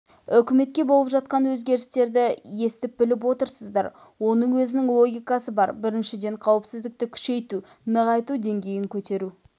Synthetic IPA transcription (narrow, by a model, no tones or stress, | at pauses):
ʏkʲɪme̞t̪̚kʲe̞bo̞lˠəpʒɑt̪̚qɑnwɵzɡʲe̞ɾɪst̪e̞ɾd̪ɪje̞st̪ɪp̚bɪlɪp̬wo̞t̪əɾsəzd̪ɑ̰ɾ | wo̞nəɴwɵzɪnɪŋlˠo̞ɡʲijkɑsəbɑɾbɪɾɪnʃɪd̪e̞ɴqʰɑwɪpsɪzd̪ɪk̚t̪ɪkʲʰʏ̥ʃe̞jt̪u | nəʁɑjt̪ud̪e̞ŋɡʲe̞jɪŋkʲʰɵt̪e̞ɾu